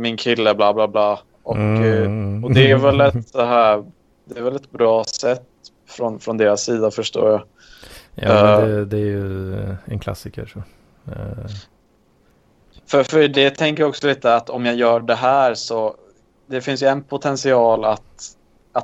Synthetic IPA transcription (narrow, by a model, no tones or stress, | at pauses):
mɪnkʰɪlːəblɑːblɑːblɑː | ʔɔk | ɔd̪ɛæɾvɛlɛt̪sɔɦæːɾ | d̪ɛːvɛlɛt̪̚bɾɑːsɛt̪ː | fɾɔnfɾɔnd̪eːɾasːiːd̪afœʂʈo̰ːɾja | jɑ̰d̪ɛd̪ɛæɾjɵɛnkʰla̰sɪkə̰ʂɔ | fœɾfœɾɖɛt̪ʰɛŋkəɾjaɔksɔliːt̪əat̪ɔmjajœːɖɛɦæːɾsɔ | d̪ɛfɪns̬jɵɛnpʰʊt̪ʰɛnsɪɑːlat̪ | at̪